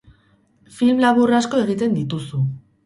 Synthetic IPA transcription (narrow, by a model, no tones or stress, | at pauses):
filmlaβurasko̞e̞ɣ̞it̪e̞nd̪it̪usu